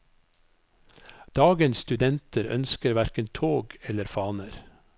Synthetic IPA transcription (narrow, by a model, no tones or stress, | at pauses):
d̪̥ɑːɡənsst̪ʉd̪ɛnt̪ʰəɾœ̰nskəɾʋæɾkənt̪ʰoːɡɛləɾfɑːnəɾ